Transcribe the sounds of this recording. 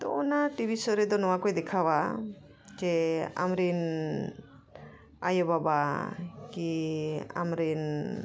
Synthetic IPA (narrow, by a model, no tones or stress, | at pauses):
t̪ɔ̰ɔnaʈibʱisɔɾɛd̪ɔnɔwakɔjd̪ɛkʰawa | d͡ʒɛa̰mɾin | a̰jɔbabakia̰mɾin